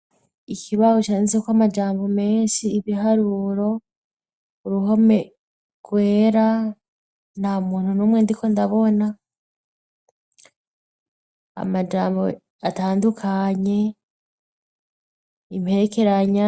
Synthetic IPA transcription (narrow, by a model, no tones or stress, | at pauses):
ikiβahot͡ʃaːnizekwamad͡ʒaːmbo̞me̞ːnʃiːβiɦaɾuɾo̞ | uɾuɦo̞me | ɡ̥we̞ːɾa | namuːnhunuːmweːndiko̞ndaβo̞na | a̰mad͡ʒaːmbo̞ | ataːndukʰaɲe̞ | im̥he̞ɾeke̞ɾaɲa